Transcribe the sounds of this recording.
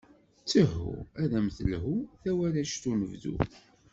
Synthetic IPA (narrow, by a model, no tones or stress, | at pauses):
t͡sːəɦṵæðæməθəlɦuθæwæɾæʃt̪unəvðṵ